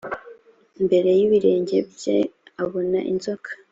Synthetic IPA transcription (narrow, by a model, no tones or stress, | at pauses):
mbe̞ɾe̞jiβiɾe̞ːɲɟe̞bjḛaβo̞na̰ʔḭnzokʰḁ